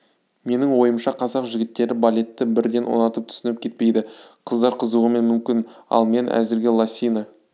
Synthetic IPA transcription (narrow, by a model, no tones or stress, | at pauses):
me̞nɪŋwo̞jəmʃɑqʰɑzɑqʒɪɡʲɪt̪ːe̞ɾɪbalʲe̞t̪ːɪbɪɾd̪e̞nwo̰nɑt̪əp̚t̪ʰʏ̥sɪnɪp̚kʲe̞t̪pe̞jd̪ɪqʰəzd̪ɑɾqʰəzuʁəme̞nmʏmkʲɪnɑ̰lˠme̞nʔæ̰zɪɾɡʲe̞lˠasʲijnə